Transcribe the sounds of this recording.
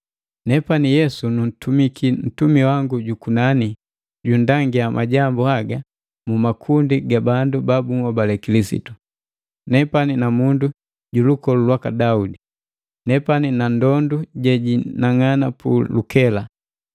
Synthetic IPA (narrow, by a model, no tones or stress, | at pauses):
nɛpanijɛsunun̩tumikʰin̩tumiwaŋɡuɟukunani | ɟundaŋɡiamʔaɟambuhaɡa | mumakʰundiɡabandubabuŋɔbalɛkilisḭtu | nɛpaninamundu | ɟulukɔlulwakadaudi | nɛpaninandɔnduɟɛɟinaŋanapṵlukɛla